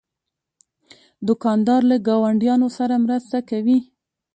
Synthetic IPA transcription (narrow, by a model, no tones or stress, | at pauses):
d̪ʊkɑnd̪ɑɾlaɡɑwaɳɖjɑnosaɾamɾəst̪akawi